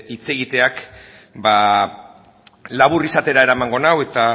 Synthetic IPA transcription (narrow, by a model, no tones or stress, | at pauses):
it͡se̞ɣit̪e̞ak | ba | laβ̞urisat̪e̞ɾae̞ɾamaŋɡo̞nawe̞t̪a